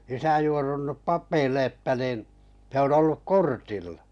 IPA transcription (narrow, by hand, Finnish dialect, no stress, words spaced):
isæ juorunːup ʔpɑpˑeilːe etːæ niˑn se on olːuk kortilːɑ̥